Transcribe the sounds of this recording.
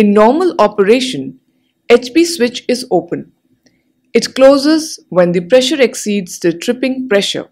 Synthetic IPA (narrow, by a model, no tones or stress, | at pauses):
ɪnːɔːɾməlɔpəɾeːʃə̃n | et͡ʃbiːswɪt͡ʃɪzoːpə̃n | ɪʈkloːzəzʋɛ̃nd̪ipɾɛʃəɾɛksiːɖz̥d̪əʈʰɾɪpɪ̃ŋpɾɛʃə̰ɾ